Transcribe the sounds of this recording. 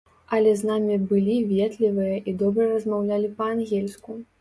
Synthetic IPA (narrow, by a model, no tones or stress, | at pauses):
ɐlʲɛznamʲibɨlʲivʲɛt̪lʲivɨjɐʔid̪ɔbɾɐrɐzmawlʲalʲipɐanɣʲɛlʲsku